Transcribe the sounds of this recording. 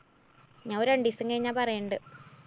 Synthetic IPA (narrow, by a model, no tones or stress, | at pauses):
ɲaːŋoɾɐɳɖisɨŋkɐɻiɲːaːpɐrɐjɐɳɖɨ